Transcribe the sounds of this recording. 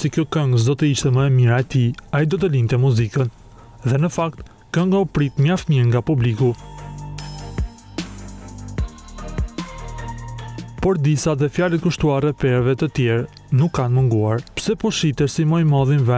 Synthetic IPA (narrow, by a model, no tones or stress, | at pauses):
sikjɔkɛŋɡəsd̪ɔt̪əiʃt̪ɛməɛmiɾaɛt̪iaid̪ɔt̪əlint̪ɛmuzikən | ðɛnəfakt̪ | kɛŋɡɔpɾit̪ɲaft̪miɾŋɡapubliku | pɔɾd̪isaðɛfjalɛt̪̚kuʃt̪uarɛpɛɾvɛt̪ət̪jɛɾ | nukːanməŋɡuaɾpsɛpɔʃit̪ɛɾsimɔjmɔðinvɛ